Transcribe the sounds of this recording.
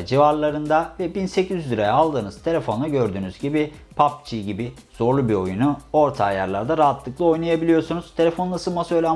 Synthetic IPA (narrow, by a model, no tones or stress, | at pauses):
d͡ʒivaɾlˠaɾɯnd̪avɛbinse̞cʰizylʲiɾajaalˠd̪ɯːnɯz̥t̪ʰe̞lʲefo̞nlaɟø̞ɾd̪yːnyz̥ɟibi | pʰap̚t͡ʃʰiɟibi | z̥o̞ɾlˠubio̞junuo̞ɾt̪ʰaːja̰ɾlˠa̰ɾd̪aɾaɦat̪ʰlˠɯklˠɯo̞jnˠajabilʲijo̞sunuz̥t̪ʰe̞lʲefo̞nˠasɯlmasøjlʲæ